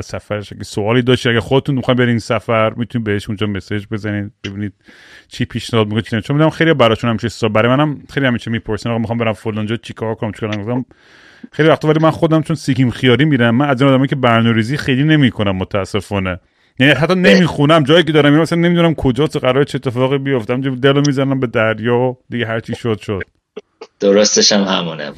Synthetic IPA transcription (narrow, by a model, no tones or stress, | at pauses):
æzsæfæɾeʃæ̰ɡʲæsoɒːlid̪ɒːʃt̪id̪æɡæɾxod̪et̪unmixɔjnbeɾiinsæfæɾmiːt̪ʰuniːd̪̚beeʃund͡ʒɒːme̞sed͡ʒbe̞zæniːd̪b̥e̞biːniːd̪̥̚ | t͡ʃʰiːpʰiʃnæhɒːd̪mikonet͡ʃʰinemt͡ʃʰomid̪næmxejlijɔbæɾɒːʃunhæmiʃessɒlbæɾɔjmænæmxejlihæmiːt͡ʃʰemiːpʰoɾsinːɔmixɔːmbe̞ɾæmfolːɑnd͡ʒɔt͡ʃʰikʰɒːɾkʰonæmt͡ʃʰi̥kːɾæmɡozæm | xejlivæxχt̪ɒːvælimænxod̪æmt͡ʃʰonsikimxijɒːɾiːmiːɾæmːænæziːnɒːd̪æmɒjicʰebæɾnɔɾiːziːxejliːne̞miːkʰonæmːot̪ʰææsːe̞fɒːne | jæniæɦæt̪ːɒne̞miːxunæmd͡ʒɒːjiːkʰed̪ɒːɾæmjinmæsælæne̞mid̪unæmkʰod͡ʒɒːseɣæɾɒːɾet͡ʃʰiet̪ʰːefɒːɣibijoft̪eæmd͡ʒd̪elomiːzænæmbe̞d̪æɾjɒːd̪iɡeɦæɾt͡ʃʰiʃod̪ʃod̪̥̚ | d̪̥oɾost̪eʃæmhæmuːnḛ